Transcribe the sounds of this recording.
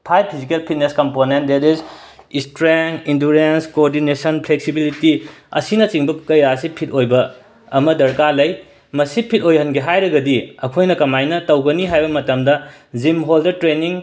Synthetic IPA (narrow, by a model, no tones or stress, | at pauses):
pʰaj̚pʰizikelpʰit̚neskɐmponent̚detiz | istɾeŋinduɾenskooɾdinesɐnpʰleksibilitiɐ̰sinɐt͡ʃiŋbɐkɐjasipʰit̚ʰojbɐ | ɐmɐdɐɾkalɐj | mɐsipʰit̚ojhɐnɡiɦajɾɐɡɐdiɐkʰojnɐkɐmajnɐtɐwɡɐniɦajbɐmɐtɐmdɐd͡ʒimɦoldɐtɾeniŋ